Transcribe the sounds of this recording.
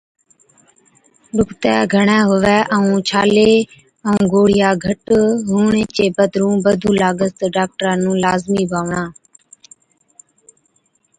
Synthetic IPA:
ɗʱʊkt̪ɛːɡʱəɳɛ̃ːɦʊʋɛːʔəũːt͡ʃʰaːleː | əũːɡoːɽ̤ɪjaːɡʱəʈɦuːɳeːt͡ʃeːbəd̪ɾũːbəd̪ʱũːlaːɡəst̪ɖaːk̚ʈɾãːnũːlaːzmiːbʱaːʋɳãː

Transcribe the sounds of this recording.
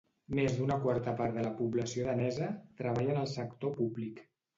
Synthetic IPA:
mezðunəkwaɾt̪əpaɾðələpuβləsioðənɛzət̪ɾəβ̞aʎənəlˠsəkt̪opuβlik

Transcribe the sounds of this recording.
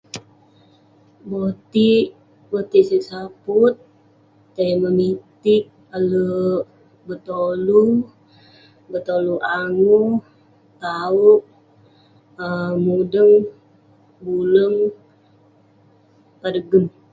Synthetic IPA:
bot̪i | bot̪iʔsisaput̪̚ː | aməmit̪ɪk̚ | alə | bət̪olu | bət̪oluʔaŋu | t̪auʔ | əmudəŋ | buləŋ | padəɡəm

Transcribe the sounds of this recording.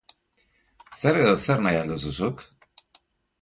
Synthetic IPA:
sɛɾeðosɛɾnajand̪ususuk

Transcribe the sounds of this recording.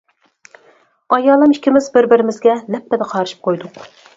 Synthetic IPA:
ɑjɑːlˠɨmikʲʰimɪzbɪɾbɪɾɪmɪzɡʲɛlɛpːɛd̪ɛqʰɑɾɨʃi̥p̚qʰojd̪ʊq

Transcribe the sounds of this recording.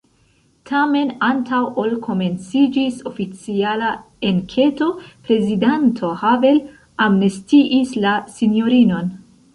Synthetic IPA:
tʰame̞nantʰawʔo̞lkʰo̞me̞nt͡sid͡ʒiso̞fit͡siala | enkʰe̞to̞pɾe̞zidantʰo̞have̞l | amnestiʔislasinjo̞ɾino̞n

